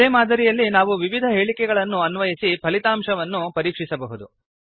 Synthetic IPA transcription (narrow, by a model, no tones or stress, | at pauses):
eːmaːd̪ʱɐɾijɐlːinaːʋuʋiʋid̪ʱɐɦe̞ːɭikɛɡɐɭɐnːuɐnʋɐjisipʰɐlit̪aːmʂɐʋɐnːupɐɾiːkʂisɐbɐɦud̪u